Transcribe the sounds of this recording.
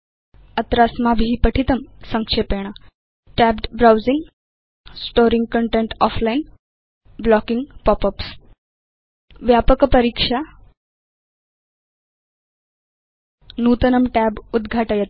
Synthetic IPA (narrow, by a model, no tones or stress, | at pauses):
ət̪ɾasmabʱiipəʈʰit̪əmsəŋkʂepeɽ̃a | ʈæbɖbɾawd͡ziŋɡ | sʈoɾiŋɡ̚kəɳʈeɳʈɔflain | blɔkiŋɡpɔpəps | ʋjapəkpəɾikʂa | nut̪ənəmʈɛbud̪ɡʱaʈajet̪̚